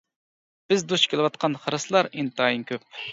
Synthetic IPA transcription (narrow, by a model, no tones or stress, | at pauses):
b̥ɪzd̪uʃkʲʰelˠɪwɑt̪̚qʰɑnχəɾɨslˠɑɾint̪ɑːjinkʲøp̚